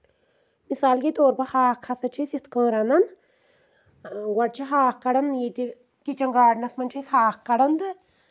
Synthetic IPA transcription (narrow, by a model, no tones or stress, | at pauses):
misaːlkit̪oːɾpɐhaːkʰːɐsɐt͡ʃʰisjit̪ʰkəːɾɐnɐn | ɡɐɽt͡ʃʰiɦaːhkɐɽɐnjit̪i | kit͡ʃɐŋɡaːɽnɐsmɐnt͡ʃʰishaːkkːɐɽɐnd̪ɨ